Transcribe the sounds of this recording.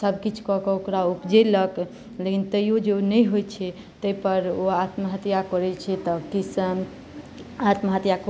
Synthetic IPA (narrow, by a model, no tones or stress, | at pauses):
səbʱkit͡ʃʰkɔkɔokɾaupd͡ʒelək | lekint̪əjod͡ʒenəjɦojt͡ʃʰɛ | t̪əjpəɾoat̪məɦət̪jakɔɾɛt͡ʃʰɛt̪ɔkis | at̪məɦət̪jak